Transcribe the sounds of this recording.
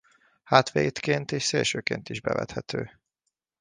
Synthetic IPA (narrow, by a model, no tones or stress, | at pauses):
haːt̪ʋeːt̪keːnt̪eːʃseːlʃøːkeːnt̪iʒbɛvɛ̰t̪hɛt̪ʰøː